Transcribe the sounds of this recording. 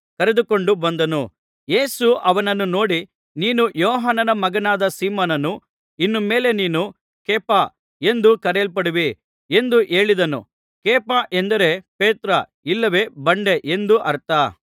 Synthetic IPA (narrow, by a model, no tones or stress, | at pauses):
kɐɾed̪uko̞ɳɖubɐnd̪ɐnu | je̞ːsuʔɐʋɐnɐnːuno̞ːɽi | niːnujɔːɦaːnɐnɐmɐɡɐnaːd̪ɐsiːmoːnɐnu | inːume̞ːle̞niːnu | keːpa | e̞nd̪ukɐɾeːlp̬ɐɽiʋi | e̞nd̪uʔe̞ːɭid̪ɐnṵ | keːpaʔend̪ɐɾe̞peːt̪ɾɐ | ilːɐʋe̞ːbɐɳɖe̞ʔend̪uʔɐɾt̪a